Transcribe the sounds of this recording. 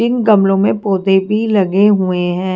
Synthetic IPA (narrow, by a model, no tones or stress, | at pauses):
ɪnɡɐmlõmẽpoːd̪ebʱilɐɡeɦueɦɛ̃ː